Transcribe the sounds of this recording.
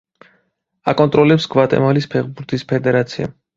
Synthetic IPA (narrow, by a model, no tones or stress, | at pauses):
akʼɔnt̪ʼɾɔlɛpsɡvat̪ʼɛ̰malispʰɛʁbuɾt̪ʰispʰɛd̪ɛɾat̪sʰia̰